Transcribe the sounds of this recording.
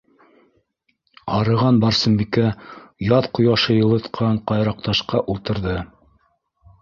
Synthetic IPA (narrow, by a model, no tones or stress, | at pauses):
ɑɾɤ̆ʁɑnbɑɾsɤ̆mbikæjɑðqŏjɑʃɤjɤ̆lˠɤ̆t̪qʰɑɴqɑjɾɑq̚t̪ɑʃqɑʔulˠt̪ɤ̆ɾðɤ